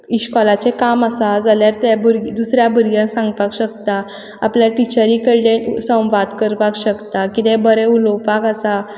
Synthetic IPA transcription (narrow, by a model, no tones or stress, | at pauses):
iɕkɔlat͡sekamasad͡zaljaɾt̪ebuɾɡd̪usɾjabəɾɡjãsãŋɡpakɕəkt̪a | apljaʈit͡ɕəɾikəɾlesə̃w̃ʋad̪kəɾpakɕəkt̪akit̪ɛ̃bəɾɛulɔwpakasa